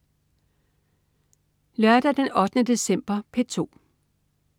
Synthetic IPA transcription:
lɶɐd̥æd̥enɒ̽d̥ənəd̥e̝sem̰b̥ɐpʰet͡sʰo̝̰ː

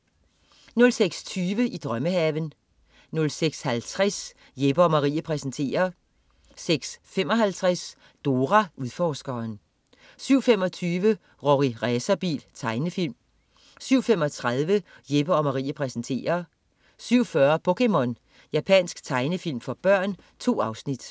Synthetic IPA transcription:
nɔ̽lseɡ̥st͡sʰyːʋəʔid̥ʁɶməhæʋən | nɔ̽lseɡ̥shælt͡sʰʁas | jeb̥ɐɒmɑ̈ʁḭːæpʰʁɛsnt͡sʰe̝̰ːɐ | seɡ̥sfem̰ɒ̽ɦælt͡sʰʁas | d̥o̝ʁæʔuðˠfɒːsɡ̥ɐn | syʊ̰femɒ̽t͡sʰyːʋə | ʁoʁiʁɛːsɐb̥ḭːlt͡sʰɑ̈ɪnəfil̰m | syʊ̰femɒ̽t͡sʰʁaðˠʋə | jeb̥ɐɒ̽mɑ̈ʁḭːæpʰʁɛsn̩t͡sʰe̝̰ːɐ | syʊ̰fɶɐpʰokʰemɔ̽n | jæpʰænsɡ̥t͡sʰɑ̈ɪnəfil̰mfɒ̽b̥ɶɐ̰n | t͡sʰo̝̰ːɑ̈ʊsnid̥

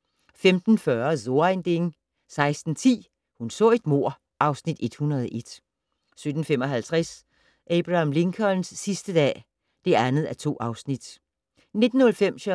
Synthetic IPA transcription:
femd̥n̩fɶɐzo̝ɐend̥e̝ŋ | sɑ̈ɪsd̥n̩t͡sʰḭː | hunsɔ̰̽ːe̝d̥mo̝ɐ̰ | ʔɑ̈ʊsnid̥e̝d̥hunɐð̞ˠɒʔe̝d̥ | sød̥n̩fem̰ɒ̽ɦælt͡sʰʁas | ʔeb̥ʁɑmle̝ŋkʰɒ̽nnsːisd̥əd̥ɛ̰ː | d̥e̝ænð̞̩ˠæt͡sʰo̝̰ːɑ̈ʊsnid̥ | ne̝d̥n̩ːɔ̽lfem̰ɕø

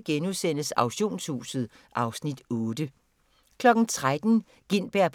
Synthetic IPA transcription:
ɡ̥enusen̰əsɑ̈ʊɕo̝̰ːnshṵːsð̩ˠ | ʔɑ̈ʊsnid̥ɔ̽ːd̥ə | kʰlɒ̽ɡ̥n̩t͡sʰʁad̥n̩ | ɡ̥en̰b̥æɐ̰pʰ

